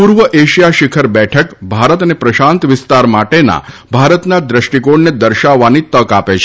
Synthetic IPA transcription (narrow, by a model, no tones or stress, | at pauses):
puɾʋəʔeʃijaʃɪkʰəɾbɛʈʰəkbʱaɾət̪ənepɾəʃãnt̪ʋɪst̪aɾmaʈena̰ | bʱaɾət̪nad̪ɾəʃʈikoɽned̪əɾʃaʋːanit̪əkapet͡ʃʰe̥